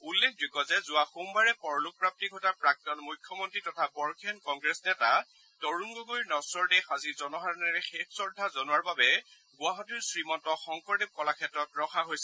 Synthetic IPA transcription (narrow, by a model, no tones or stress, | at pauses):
ulːekʰduɡɔzɛzʊwaxumbaɹɛpɔɹɔluk̚pɹap̚tikɔtapɹak̚tɔnmujkʰjɔmɔntɹitɔtʰabɔɹkʰɛnkɔŋɡɹɛsnɛta | tɔɹuŋɡoɡojɹnɔsɔɹdɛxazizɔnɔɦaɹɔnɛɹɛxekʰsɔɹdʱazɔnʊwaɹbabɛ | ɡʊaɦɔtuɹsɹimɔntɔxɔŋkɔɹdeb̚kɔlakʰɛtɹɔtɹɔxaɦojsɛ